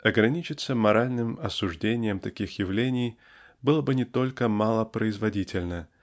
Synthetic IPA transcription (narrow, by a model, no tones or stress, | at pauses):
ɐɡɾɐnʲit͡ɕɪt̪səmɐɾalʲnɨmɐsʊʐdʲenʲɪjəmt̪ɐkʲixjɪvlʲenʲɪj | bɨlˠəbɨnʲɪt̪o̞lʲkəmalˠəpɾəɪzvɐdʲitʲɪlʲnə